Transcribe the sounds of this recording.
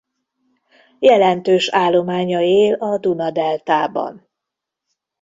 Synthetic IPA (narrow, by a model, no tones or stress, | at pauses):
jɛlɛnt̪øːʃaːlːo̞maːɲɒeːlɒd̪unɒd̪ɛlt̪aːbɒ̰n